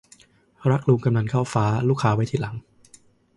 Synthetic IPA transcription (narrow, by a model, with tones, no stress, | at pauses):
ɾa˦˥k̚luː˧ŋka˧mna˧nkʰaː˥˩wfaː˦˥luː˥˩kʰːaː˧wa˦˥jt̪ʰiː˥˩la˩˦ŋ